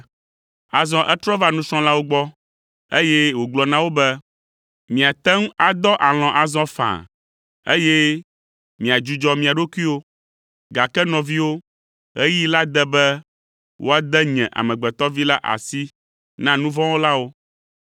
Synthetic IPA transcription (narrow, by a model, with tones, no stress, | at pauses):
a˨zɔ̃˦ʔɛ˦t̪ɾɔ˦va˦nũ˦sɔ̃˦la˦wo˦ɡ͡bɔ˦ | e˦jɛ˦wo˨ɡ͡blɔ˨nã˦wo˦bɛ˦ | mĩ˨a˨t̪ɛ˦ŋ˦a˨d̪ɔ˦ʔa˨l̃ɔ̃˨ʔa˨zɔ̃˦fã̰˨ | ḛ˦jɛ˦ | mĩ˨a˨d͡ʒu˨d͡ʒɔ˦mĩ˨a˨ɖo˦ku˦i˦wo˦ | ɡa˨kɛ˦nɔ̃˨vi˦wo˦ | ɛ˦ji˦la˦d̪ɛ˦bɛ˦ | wʔo̰˦a˨d̪ɛ˦ɲɛ̰̃˨ʔa̰˨mɛ̃˨ɡ͡bɛ˨t̪ɔ˦vi˦la˦ʔa̰˨si˦ | nã˦nũ˦vɔ̃˦wo˦la˦wo˦